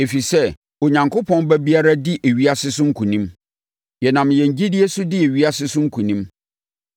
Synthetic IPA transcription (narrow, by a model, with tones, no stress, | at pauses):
e˨fi˨sɛ˦ | o˨ɲã˨ŋkʰʊ˦pʰɔ̃˦nbɛ˦bi˦a˦ɾa˦dɪ˦ʔe˨ɥi˦a˦sɪ˦sʊ˦ŋ̩˦kʰũ˨nĩ˦m | jɛ˨nã˨mjɛ̃˨ɲ˨d͡ʑi˦dɪ˦e˦sʊ˦dɪ˦e˨ɥi˦a˦sɪ˦sʊ˦ŋ̩˦kʰũ˨nĩ˦m